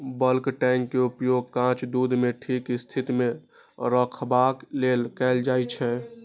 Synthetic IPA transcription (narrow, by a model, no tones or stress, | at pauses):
bəlkʈɛŋkːeupjoɡ̚kãt͡ʃd̪ud̪ʱmeʈʰikst̪ʰit̪ime | ɾəkʰbaklelkɛɪld͡ʒajt͡ʃʰɛ